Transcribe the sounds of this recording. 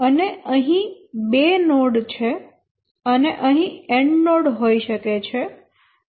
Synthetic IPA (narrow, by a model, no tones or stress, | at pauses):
əneəɦĩ | benoɽt͡ʃʰe | əneʔəɦĩeɳɖnoɽɦoiʃəket͡ʃʰe